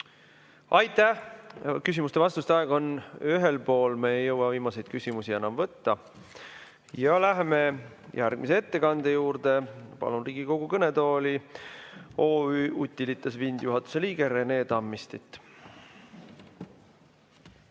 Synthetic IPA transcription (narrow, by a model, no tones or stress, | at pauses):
ɑjt̪ːˑæhkys̬ʲimust̪e̞vɑst̪ust̪eɑeɡ̥ɑo̞nyɦe̞lpo̞ːlmeejːɤwɑviːmɑse̞jd̪̥̚kysʲimusie̞nɑmvɤt̪ːɑ | jɑlæɦeme̞ | jʔærɡ̥̚mis̬ee̞t̪ːe̞kɑnd̪̥ejuːɾd̪e̞pɑ̰lunriːɡ̥iko̞ɡ̥ukɤnet̪o̞ːli | o̞ːyːʔut̪ʲːilit̪ˑːɑsvind̪̥juɦɑt̪ːˑu̥se̞liːɡe̞ɾe̞ne̞ːt̪ɑmːist̪it̪ːˑ